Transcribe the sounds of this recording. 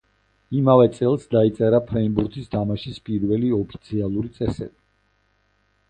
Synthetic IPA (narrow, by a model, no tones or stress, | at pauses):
imavɛt̪sʼɛlˠsd̪ait̪sʼɛɾapʰɾɛimbuɾt̪ʰist̪ʰamaʃispʼiɾvɛliɔpʰi̥t̪sʰialˠuɾit̪sʼɛsɛbi